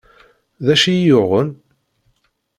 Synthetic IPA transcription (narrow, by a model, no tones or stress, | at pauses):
ðæʃijʊʁən